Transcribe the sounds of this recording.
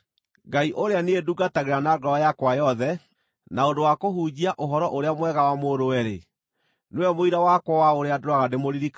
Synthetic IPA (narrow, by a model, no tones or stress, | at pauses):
ɡaiʔoɾeaneeduɡataɣeɾanaɡɔajakwajɔðɛ | naondowakoɦud͡ʑiaʔoɦɔɾɔʔoɾeamwɛɣawamoɾowɛɾe | newɛmoiɾawakwawaoɾeadoɾaɣademoɾiɾik